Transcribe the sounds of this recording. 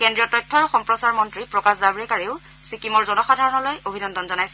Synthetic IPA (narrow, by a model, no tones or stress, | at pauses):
kɛndɹijɔtɔjtʰːɔɹxɔmpɹɔsaɹmɔntɹipɹɔkaszabɹɛkaɹiʊ | sikimɔɹzɔnɔxadʱaɹɔnɔlojobʱinɔndɔnzɔnajsɛ̥